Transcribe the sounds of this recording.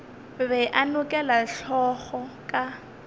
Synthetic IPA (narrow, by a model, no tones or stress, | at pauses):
βɛʔanʊkʼɛlaɬɔɣɔkʼa